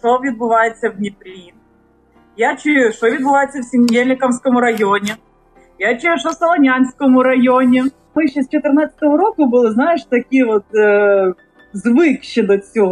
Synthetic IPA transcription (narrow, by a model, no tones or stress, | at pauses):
ʂovʲid̪̚bɨvajɪt̪sɐvnʲɪpɾʲin | jat͡ɕːɪʂovʲid̪bɨvajɪt̪səfsʲɪmʲdʲelʲnʲɪkɐmsʲkəmʊɾɐjonʲɪ | jat͡ɕɪjʂofsɐlˠɐnʲansʲkəmʊɾɐjonʲɪ | mɨɕːost͡ʃɪt̪ɨrnat̪sə̥t̪əʋəɾokʊbɨlˠɨznajɪʂt̪ɐkʲijvot̪ː | zvɨkɕːɪd̪ɐsʲo